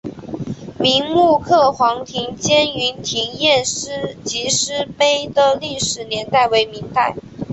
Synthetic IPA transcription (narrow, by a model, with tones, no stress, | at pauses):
mi˧˥ŋmu˥˧kʰɤ˥˩xwɑ˧˥ŋt̪ʰi˧˥ŋt͡ɕjɛ˥ny˧˥nt̪ʰi˧˥ŋjɛ˥˩nʂɻ̩˥t͡ɕi˧˥ʂɻ̩˥pe˥ɪd̪ə˨li˥˩ʂɻ̩˨˩njɛ˧˥nt̪a˥˩ɪwe˧˥ɪmi˧˥ŋt̪a˥˩ɪ